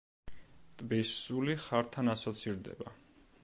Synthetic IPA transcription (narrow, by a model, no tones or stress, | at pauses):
t̪ʼbisːuliχaɾt̪ʰanasɔt̪sʰiɾd̪ɛ̰ba